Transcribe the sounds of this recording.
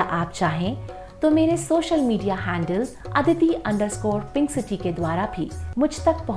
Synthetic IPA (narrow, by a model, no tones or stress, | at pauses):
ʔaːp̚t͡ʃaːɦẽ | t̪omeːɾesoːʃəlmiːɖijaɦɛ̃ːɳɖəlz | ɐd̪ʱɪt̪iʔɐ̃ɳɖəɾskɔːɾpɪ̃ŋɡsɪʈiked̪waːɾabʱimʊd͡ʒʱt̪ɐk̚pɐɦ